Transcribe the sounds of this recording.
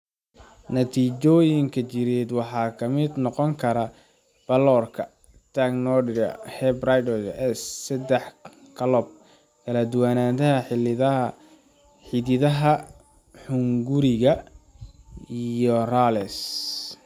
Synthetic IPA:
nɐt̪ʰiːt͡ʃɔːjɪŋkʰɐt͡ʃɪɾɛːd̪wɑħɑːkʰɐmɪd̪nɔqɔŋkʰɐɾɐ | b̥ɐlɔːrkʰɐ | t̪ʰaɡnɔɖɪɾɐ̰hɛbrajd̪ɔɐʔɛsːɛd̪ɛħ | kʰɐlɔb̚ | kʰɐlɐd̪ʊwaːnaːnt̪ɐɦɐħɪ | ħɪðɪðɐɦɐ | ħʊŋɡʊɾɪɣɐ | ijɔralɛs

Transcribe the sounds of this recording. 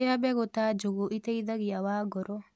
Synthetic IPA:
abɛɣot̪ad͡ʒoɣoʔit̪eid̪aɣiawaɡɔɾɔ

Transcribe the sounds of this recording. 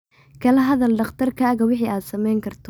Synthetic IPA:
kʰɐlɐɦɐðɐlɖɐχt̪ʰɐrkʰɐːɣɐwɪħiːʔaːd̪sɐmɛjŋkʰɐrt̪ʰɔ̥

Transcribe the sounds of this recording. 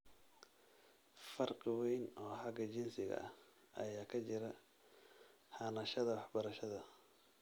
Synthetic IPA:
fɐrqwɛjnɔːħɑɡɐt͡ʃɪnsɪɣɐ̰ʔɐ̰ | ʔɐ̰jaːkʰɐt͡ʃɪɾɐ | hɑnɐʃɐðɐwɑħbɐɾɐʃɐðɐ

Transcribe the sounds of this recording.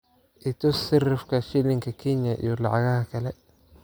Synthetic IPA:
ʔɪt̪ʰɔsɪrɪfkʰɐʃɪlɪŋkʰɐkʰinjɐʔḭjɔlɑʕɑɣɐhɐkʰɐlɛ

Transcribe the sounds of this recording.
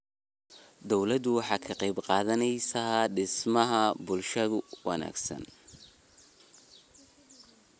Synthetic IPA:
d̪ɔwlɐd̪ʊwɑħɑːkʰɐqɑjbqɑːðɐnɛjsɐɖɪsmɐɦɐbʊlʃɐðʊwɑ̰na̰ːɡsɐ̰n

